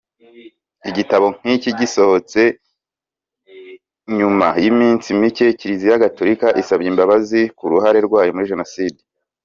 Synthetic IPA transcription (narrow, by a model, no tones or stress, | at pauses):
iɟitaβo̞ŋ̥hiciɟiso̞ho̞t͡se̞ | ɲumajimiːnsimice̞ciɾizijaɡato̞ɾikaʔisabɟiːmbaβazikuɾuɦaɾe̞ɾɡwaːjomuɾiʒe̞nosiːdi̥